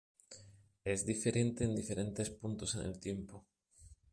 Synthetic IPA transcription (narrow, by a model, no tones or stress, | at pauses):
ezðife̞ɾẽ̞nt̪eːnd̪ife̞ɾẽ̞nt̪e̞spunt̪osenʔḛlt̪je̞mpo